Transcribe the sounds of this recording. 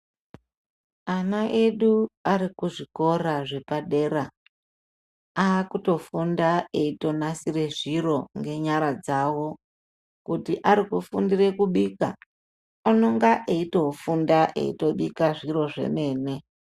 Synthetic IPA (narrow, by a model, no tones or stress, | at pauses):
anaʔe̞ɗuarikuʐiko̞raʐe̞paɗe̞ːra | aːkuto̞fundae̞ito̞nasire̞ʐiro̞ŋɡe̞ɲaɾad͡zawo̞ | kutiʔaɾikufundirekuɓiːka̰ | anoŋɡaʔeito̞fundaʔḛḭto̞ɓikaʐiro̞ʐe̞̰me̞ːne̞